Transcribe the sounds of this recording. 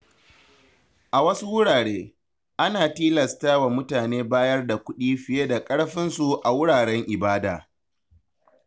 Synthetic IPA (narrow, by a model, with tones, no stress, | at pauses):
ʔa˨wɐ˦su˦wʊ˦ɽaː˨ɽeː˦ | ʔa˦naː˨tiː˦lɐ˨staː˦wa˨mʊ˦taː˨neː˦baː˦jɐ˦rda˨kʷʊ˦ɗiː˦ɸɪ˨jeː˦da˨kʼɐ˦ɽɸɪ˦nsu˨ʔa˨wʊ˦ɽaː˨ɽɛ˦ŋʔɪ˨baː˦da̰ː˨